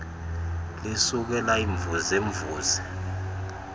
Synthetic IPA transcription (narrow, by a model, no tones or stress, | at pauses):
lisuk̬ɛlaiɱvuzeɱvuːzɛ